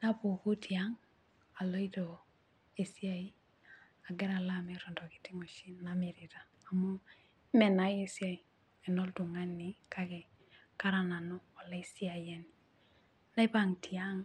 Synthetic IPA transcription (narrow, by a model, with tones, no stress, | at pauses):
na˦po˨ku˦ti˨a˦ŋ | a˨lo˦i˦do˨ | e˨si˦a˨i˦ | a˨ɡɛ˦ɾa˨la˦me˨ɾɔ˨ndɔ˨ki̥˨ti˦ŋo˨ʃi˦nna˨mi˨ɾi˨taː˨mo˦ | mɛ˨na˨je˦sja˨i˨ | ɛ˨no˦ldu˨ŋa˦nːi˨kʰa˦kɛ˨ | ka˦ɾa˨na˨nɔ˦ɔ˨la˦i˦si˦a˨je˦ni | na˦i˦pa˦ŋtʰi˨a˦ŋ